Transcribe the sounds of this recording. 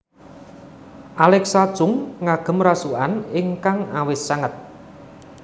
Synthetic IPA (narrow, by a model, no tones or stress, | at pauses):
ʔalɛksad̥ʒ̥ʊŋːaɡ̥ə̤mɾasuanɪŋkaŋawɪsaŋət̪̚